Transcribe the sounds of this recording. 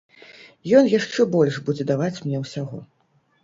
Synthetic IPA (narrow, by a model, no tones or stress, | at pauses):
jɔnjaʂt͡ʂɛbɔlʲʂbud͡zʲɛd̪avat͡sʲmnʲɛwsʲaɣɔ